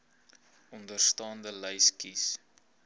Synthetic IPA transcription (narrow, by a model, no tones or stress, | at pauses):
ɔndərstɑːndələjskis